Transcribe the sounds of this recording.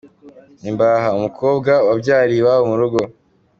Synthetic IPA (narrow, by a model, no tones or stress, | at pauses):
imbaɦaumukʰo̞ːbɡawabɟaːɾiwaumuɾuɡo̞